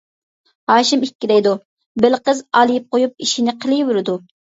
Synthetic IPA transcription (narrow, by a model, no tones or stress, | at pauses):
hɑːʃimikʲːiɾɛjd̪u | bɪlqəzɑlˠɪjip̚qojup̚iʃinɪqʰəlˠɨjwʊɾɨd̪u